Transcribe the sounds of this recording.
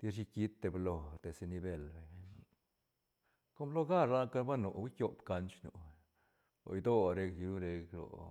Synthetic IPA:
t̪i˦ɾʃi˧ki˦t̪ːe˧blo˧t̪e˨se˧ni˧be˧˨lbe˨ | ko˦mlo˦ɡa˦ɾla˦ka˦ba˦no˨i˦kʲjo˦pka˧nt͡ʃnṵ˨ | lo̰˨i˧d̪o˦ɾe˧kju˦ɾe˧klo̰˨

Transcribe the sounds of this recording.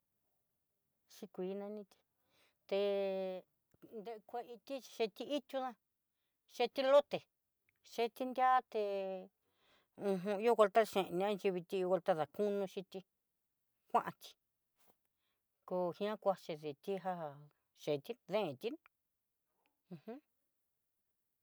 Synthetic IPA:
ʃi˧kʷiː˨˦nã˧nĩ˧t̪i̥˧ | t̪e˧ | nd̪e˧kʷe˧i˧t̪i˦˧ʃe˧t̪i˧i˦t̪ʲu˦ðã˦ | ʃe˧t̪i˦lo˦t̪e˨ | ʃe˧t̪i˦nd̪ʲja˦t̪e˧ | ũ˧ɦũ˧i˦o˦˧ɣʷa˧lt̪a˦˧ʃẽ˨˧nĩ˧ã˦nt͡ʃi˧βi˧t̪i˦˧o˧wa˧lt̪a˦ða˨ku˦nũ˧ʃi˧t̪i˧ | kʷã˦ʔã˧t̪i̥˧ | ko˧hĩ˧˦ã˦kʷa˧ʃe˧ði˨t̪i˦ɦa˦˧˨ | ʃe˨t̪i˦ðẽ˦ẽ˧t̪i˦n | ũ˧hũ˦

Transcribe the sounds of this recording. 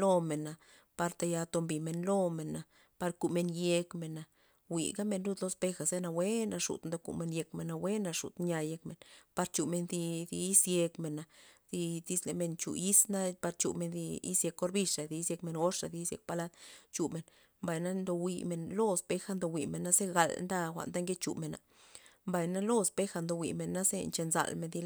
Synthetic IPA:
lo˧me˨na˨ | pa˧ɾt̪a˧ja˧t̪o˧mbi˨me˨nlo˦me˨na˨ | pa˧ɾku˨me˧nje˧kme˨na˨ | wḭ˨ɡa˦me˧nɾu˦d̪lo˧spe˧xa˨ze˦na˧we˦na˧ʂṵ˨t̪nd̪o˧kṵ˨ʔme˧nje˧kme˨na˧we˦na˧ʂṵ˨t̪ɲa˧je˧kme˨npa˧ɾt͡ʃu˨me˧nd̪i˧d̪i˧i˦sje˧kme˨na˨d̪̥i˧d̪i˧sle˨me˧˨nt͡ʃṵ˨i˦sna˦pa˧ɾt͡ʃṵ˨me˨nd̪i˧ḭ˦sje˧kːo˧ɾbi˧ʂa˨d̪i˧i˦sje˧kme˧nɡo˦ʂa̰˨d̪i˧˦sjḛ˧k̚pa˧la˦d̪t͡ʃu˨me˨n | mba˨jna˦nd̪o˧wḭ˧me˨nlo˦spe˧xa˦nd̪o˧wʷi˨me˨nːa˦ze˦ɡa˨lnd̪a˦xʷa̰˨ʔnd̪a˦ŋɡe˦t͡ʃṵ˨me˨na̰˨ | mba˨jna˦lo˦spe˦xa˧nd̪o˧wḭ˨me˨nːa˦zḛ˦nt͡ʃe˧nza̰˧˨lme˧˨nd̪i˧

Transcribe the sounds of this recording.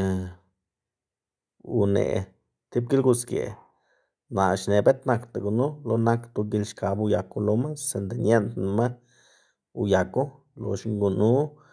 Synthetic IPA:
ṵ˧nḛ˨ | t̪i˦b̚ɡi˦lɡu˧skjḛ˨ | na˨ʃne˨be˦t̪na˧kt̪a˨ɡu˧˨nu˦lo˧na˦kt̪u˧ɡi˧lʃka˧bu˧ja˨ku˧lo˧˦ma˦se˨nt̪i˨nje˦nt̪na˧ma˦ | u˧ja˨ku˦ | lo̰˧ʃŋɡu˧nu˦

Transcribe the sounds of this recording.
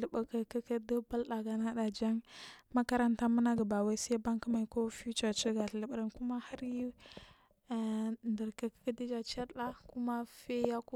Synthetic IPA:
lə˨ɓə˨kə˨kə˦kə˦do˦ba˦lɗa˨ɡa˨na˦ɗa˨d͡ʒa˦ŋma˦ka˦ɾa˦nta˦mu˦na˦ɡə˨ba˨wa˦si˦ba˦ŋkə˦ma˨i˨ko˦fu˦t͡ʃa˨t͡ʃə˦ɡa˨ɬlə˨bɾə˨nku˦ma˦ha˦ɾju˦˨ | ndə˨ɾkə˨kə̥˦kə˦di˦d͡ʒa˨t͡ʃa˦ɾɗa˦ku˦ma˦fe˦ja˦ku˦

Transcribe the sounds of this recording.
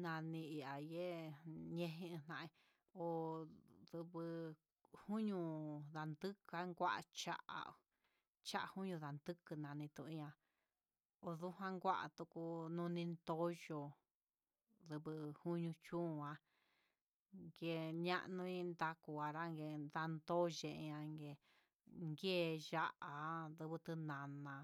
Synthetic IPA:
nã˧nĩ˧i˧a˨je˦ɲẽ˧ɦĩ˦˧nã˧ʔẽ˧ | o˨ðɨ˧βɨ˧ | hu˦ɲũ˧ða˨nd̪ɨ˦ka˦ŋɡʷa˦ʔa̰˧t͡ʃa̰˦ʔa̰˨ | t͡ʃa˦ʔa˧˨hu˦ɲũ˧ða˨nd̪ɨ˦kɨ˧nã˨nĩ˧t̪ũ˧ĩ˧ã˧ | o˨ðu˦hã˦ŋɡʷa˦ʔa̰˨t̪u˧ku˧nũ˧nĩ˧nd̪o˦ʒo˧˨ | ðɨ˧βɨ˧hu˦ɲũ˧t͡ʃũː˦˧˨ã˧ | ŋɡe˧ɲã˦˧ʔnũ˧ĩ˦nd̪a˧ku˧a˨ɾa˦ŋɡe˧nða˧nd̪o˦ʒẽ˧˨ʔã˧ŋɡe˧ | ŋɡe˦˨ʒa˦ʔa˨˦ðɨ˧βɨ˧t̪ɨ˧nã˨nã˧

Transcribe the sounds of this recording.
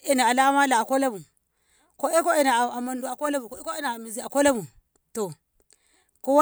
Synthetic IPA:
i˦na˨a˨la˦ma˦la˨a˨ko˦la˦mu˨ | ko˦e˦ko˦i˨na˨a˨ma˨ndu˨a˨ko˦la˦bu˨ko˦e˦ko˦i˦na˨a˨mi˨zi˨a˨ko˦la˦bu˨ | to˨ | ku˦wa˦

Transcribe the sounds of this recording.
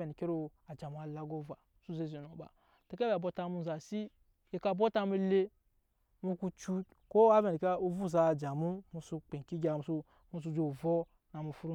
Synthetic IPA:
e˨n˨ke˦ɾo˦a˨d͡ʒa˨mu˨a˨la˦ɡo˦va˨˦su˦ze˦zi˨no˨ba̰˨ | te˨˦ke˦ba˨bo˦ta˨mu˦n˨za˨si˦ | e˨ka˨bo˦ta˦mu˦le˦ | mu˧ku˦t͡ʃu˦ | ko˦a˦ve˨n˨ka˦u˦vu˦˨za˦˨d͡ʒa˨mu˦mu˧su˦k͡pe˨ki˦ɡʲa˨su˦ | mu˦s̬u˦˧d͡ʒo˨vo˦ | na˨mu˨fu˦ɾ

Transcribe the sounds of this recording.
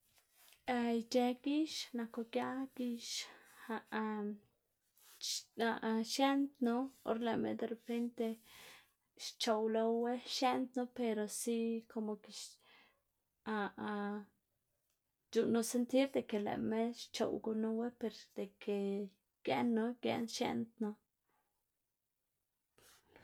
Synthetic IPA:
a˧jt͡ʃe˧ɡi˦ʃna˨ko˧ɡja˦ɡ̥i˧ʃa˧ʔ | a˨˧ʔʃje˦nt̪no˦o̰˦ɾle˨mḛ˧d̪e˧ɾe˨pe˦nt̪e˧ | ʃt͡ʃo˨wlo˧we˦ʃje˦nt̪no˦pe˧ɾo˨si˦ko˧mo˨ke˧ʃ | a˨˧ | d͡ʒu˨no˦se˦nt̪i˦ɾd̪e˨ke˨lḛ˨me˦ʃt͡ʃo̰˨wɡu˧no˦we˦pe˧ɾd̪̥e˨kʰe˨ | ɡ̥jḛ˦nːo˧ɡjḛ˧nʃjḛ˦nt̪no˦

